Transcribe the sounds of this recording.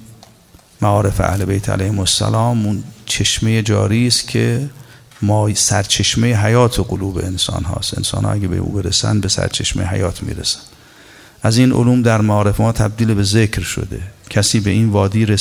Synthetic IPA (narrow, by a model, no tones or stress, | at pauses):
mæɒːɾe̞feʔæ̰hle̞bejt̪ʰæ̰læjhemosæ̰lɒːmunt͡ʃʰe̞ʃmejed͡ʒɒ̰ːɾiːst̪kʰe̞ | mɒːsæɾt͡ʃʰe̞ʃmejeɦæjɒːt̪ʰoɡoluːbe̞̰ensɒ̰ːnɦɒ̰ːst̪ḛnsɒ̰ːnhɒ̰ːʔæɡʲebḛʔṵːbeɾḛsæ̰nd̪besæ̰ɾt͡ʃʰe̞̰ʃmejɦæ̰jɒːt̪ʰmḭːɾesæ̥n | ʔæziːnʔo̰luːmd̪æɾmæɒːɾe̞femɒːt̪ʰæb̚d̪iːlebe̞zekʰɾʃo̰d̪e̞̰cʰæsiːbe̞iːnvɒːd̪iːɾe